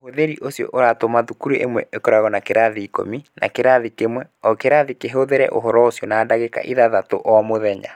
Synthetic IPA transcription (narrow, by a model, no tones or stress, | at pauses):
hoðeɾiʔosjɔ̰ʔoɾatomaðukuɾeʔemwɛʔekɔɾaɣɔnakeɾaðiːko̰mina̰keɾaðikemwɛɔkeɾaðikeɦoðeɾɛ̰ʔoɦɔɾɔosjɔnaːdaɣeka̰ʔiðaðatoʔɔamoðɛɲa̰